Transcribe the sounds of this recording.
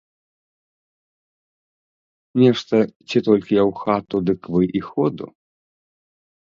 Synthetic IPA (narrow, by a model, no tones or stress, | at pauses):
nʲɛʂt̪ɐt͡sʲit̪ɔlʲkʲijawxat̪ud̪ɨkvɨʔixɔd̪ṵ